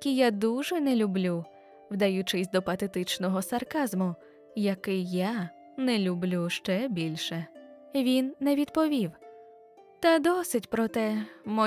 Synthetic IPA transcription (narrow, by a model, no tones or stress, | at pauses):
kʲijad̪uʒɛnɛlʲublʲu | wd̪ɐjut͡ʃɪsʲd̪ɔpɐt̪ɛt̪ɪt͡ʃnɔɦɔsɐrkɑzmʊ | jɐkɪjja | nɛlʲublʲuʃt͡ʃɛbʲilʲʃɛ | ʋʲinːɛʋʲid̪pɔʋʲiw | t̪ɐd̪ɔsɪtʲpɾɔt̪ɛmɔ